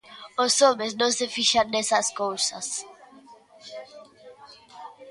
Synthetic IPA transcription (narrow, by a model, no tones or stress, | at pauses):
osomesnõŋsefiʃanːesɐskowsɐ̰s